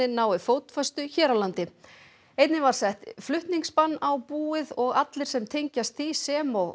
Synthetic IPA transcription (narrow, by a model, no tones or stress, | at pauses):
ɪnaːwɪfoːwt̪fœst̪ʏçɛːɾawlant̪ɪ | ejt̪nɪvaɾ̥sɛht̪flʏht̪niŋkspanːawpuːɪðɔɣat̪lɪɾ̥sɛmt̪ʰejɲcast̪θisɛːmɔɣ